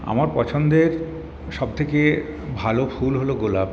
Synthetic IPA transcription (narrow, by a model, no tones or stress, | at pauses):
a̰maɾpɔt͡ɕʰond̪eɾ | ʃɔb̚t̪ʰeke | bʱalofʰulɦoloɡolab